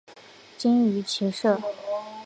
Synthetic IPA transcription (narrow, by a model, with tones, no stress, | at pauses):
t͡ɕi˥ŋy˧˥t͡ɕʰi˧˥ʂɤ˥˩